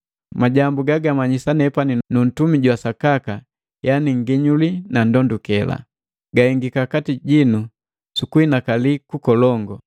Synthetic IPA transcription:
maɟambuɡaɡamaɲisanɛpaninun̩tumiɟwasakaka | janiŋ̩ɡiɲulinandɔndukɛla̰ | ɡaiŋɡikakatiɟinu | sukuinakalikukɔlɔŋɡɔ

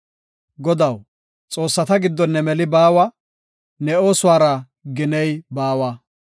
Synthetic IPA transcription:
ɡɔd̪ɐw | t͡sʼo̞ːsːɐt̪ɐɡɪd̪ːɔnːɛmɛlɪbaːwɐ | nɛo̞ːsʊwaːɾɐ | ɡɪnɛjbaːwɐ

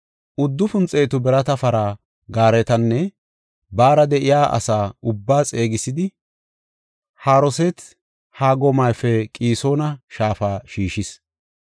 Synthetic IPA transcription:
ʊd̪ːʊfʊnt͡sʼeːt̪ʊbɛɾɐt̪ɐfɐɾa | ɡaːɾɛt̪ɐnːɛ | baːɾɐd̪ɛʔɪjaːʔɐ̰saːʊbːaːt͡sʼe̞ːɡɪsɪd̪ɪ | haːɾɔsɛt̪ | haːɡɔmɐjfɛkʼiːso̞ːnɐʃaːfaːʃiːʃɪs

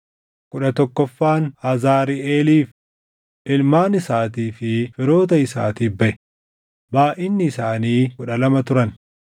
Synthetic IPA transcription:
kʊᶑɐt̪ɔkːɔfːaːnɐzaːɾiʔeːliːf | ʔɪlmaːnɪsaːt̪iːfɪfɪɾo̞ːt̪̬ɐɪsa̰ːt̪iːbɐʔɛ | baːʔɪnːɪːsaːniːkʊᶑɐlɐmɐt̪ʊɾɐn

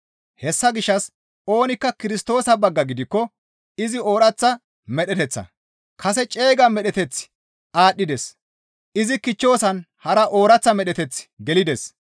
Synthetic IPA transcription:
hɛsːɐɡɪʃːɐs | o̞ːnɪkːɐkɪɾɪst̪o̞ːsɐbɐɡːɐɡɪd̪ɪkːɔ | ɪzɪo̞ːɾɐt͡sːɐ | mɛɗɛt̪ɛt͡sːɐ̰ | kʰɐsɛt͡ʃʼe̞ːɡɐmɛɗɛt̪ɛt͡sː | ʔaːɗːɪd̪ɛs | ʔɪzɪkɪt͡ʃːo̞ːsɐn | hɐɾɐʔo̞ːɾɐt͡sːɐmɛɗɛt̪ɛt͡sːɡɛlɪd̪ɛs

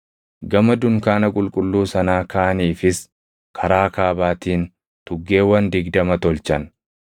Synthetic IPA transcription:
ɡɐmɐd̪ʊŋkaːnɐkʼʊlkʼʊlːuːsɐnaːkaːʔɐniːfɪs | kʰɐɾaːkaːbaːt̪iːn | t̪ʊɡːe̞ːwɐnd̪ɪɡd̪ɐmɐt̪ɔlt͡ʃɐn

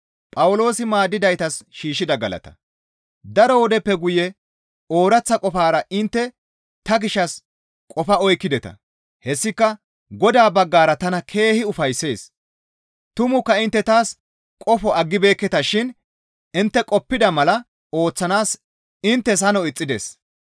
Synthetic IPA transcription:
pʼɐwʊlo̞ːsɪmaːd̪ːɪd̪ɐjt̪ɐsʃiːʃɪd̪ɐɡɐlɐ̰t̪ɐ̥̰ | d̪ɐɾɔwɔd̪ɛpːɛɡʊjɛ | o̞ːɾɐt͡sːɐkʼɔfaːɾɐʔɪnt̪ːɛ | t̪ɐɡɪʃːɐs | kʼɔfɐɔjkːɪd̪ɛt̪ɐ̰ | hɛsːɪkːɐ | ɡɔd̪aːbɐɡːaːɾɐt̪ɐnɐkʰe̞ːhɪʊfɐjsːe̞ːs | t̪ʊmʊkːɐɪnt̪ːɛt̪aːs | kʼɔfɔɐɡːɪbe̞ːkːɛt̪ɐʃɪn | ɪnt̪ːɛkʼɔpːɪd̪ɐmɐlɐ | o̞ːt͡sːɐnaːs | ɪnt̪ːɛs̬ɐnɔɪt͡sʼːɪd̪ḛs

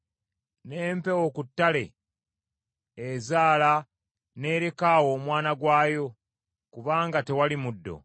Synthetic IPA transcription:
neːmpe̞wokutːale̞̰ | zaːla | ne̞ːɾe̞kaːwo̞ːmwaːnaɡwaːjo̞ | kuβaːŋɡate̞walimudːo̞̰

